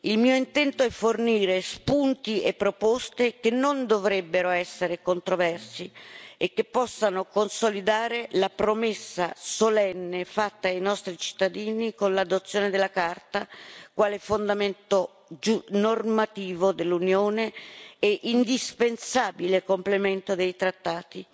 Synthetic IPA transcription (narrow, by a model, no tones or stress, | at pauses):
ilmiːoint̪ɛnt̪oɛfːorniːɾespunt̪iepːɾopɔst̪ekenːond̪ovɾɛbːeɾoɛsːeɾekont̪ɾovɛrsiekːepːɔsːanokonsolid̪aːɾelapɾomesːasolɛnːefat̪ːaːjnɔst̪ɾit͡ʃi̥t̪ːad̪iːnikonlad̪ot̪sːjoːned̪elːakart̪akwaːlɛfond̪ament̪o | d͡ʒunormat̪iːvod̪elːunjoːneɛʔind̪ispensaːbilekomplement̪od̪ejt̪ɾat̪ːaːt̪i